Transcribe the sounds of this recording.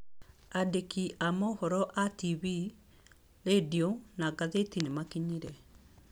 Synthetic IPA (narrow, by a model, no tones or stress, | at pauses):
adekiʔamɔhɔɾɔʔatiβi | ledionaɡaðetinemakiɲiɾɛ